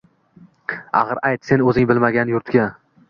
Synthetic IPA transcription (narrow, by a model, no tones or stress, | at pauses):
a̰χɨɾajt̪se̞nɵzɪŋbɪlmaɡʲanjʊɾt̪ɡʲa